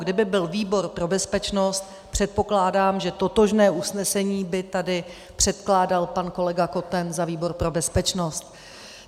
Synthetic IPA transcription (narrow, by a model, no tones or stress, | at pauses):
ɡdɪbɪbɪlviːbo̞ɾpɾo̞bɛspɛt͡ʃno̞st̪̚ | pr̝̥ɛt̪̚po̞klaːdaːmʒɛt̪o̞t̪o̞ʒnɛːʔusnɛsɛɲiːbɪt̪adɪ | pr̝̥ɛt̪klaːdalpanko̞lɛɡako̞t̪ɛnzaviːbo̞ɾpɾo̞bɛspɛt͡ʃnost̪